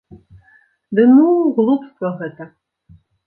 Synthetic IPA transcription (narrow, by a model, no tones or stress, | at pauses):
d̪ɨnuɣlˠupst̪vɐɣɛt̪ɐ